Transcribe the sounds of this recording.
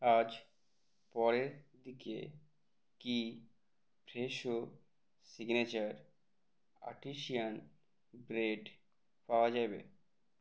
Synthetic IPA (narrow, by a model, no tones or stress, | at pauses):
ad͡ʑ | pɔɾeɾd̪ikḛ | ki | bʱɾeʃo | siɡnet͡ɕaɾ | a̰ʈiʃian | bɾeɖ | paoad͡ʑajbḛ